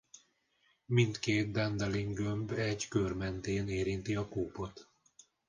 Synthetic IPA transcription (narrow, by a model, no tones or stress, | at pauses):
mint̪keːt̪̚d̪ɛnd̪ɛliŋɡømbɛɟkørmɛnt̪eːneːɾint̪iɒkuːpo̞t̪